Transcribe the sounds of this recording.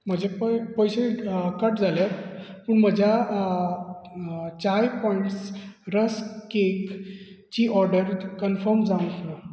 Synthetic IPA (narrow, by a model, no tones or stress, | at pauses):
m̤əd͡ʑepəpəjsekəʈd͡zaljatpuɳm̤əd͡ʑʱja | t͡ɕajpɔiɳʈsɾəskek | t͡ɕiʔɔɾɖəɾkənfəɾmd͡zãw̃tna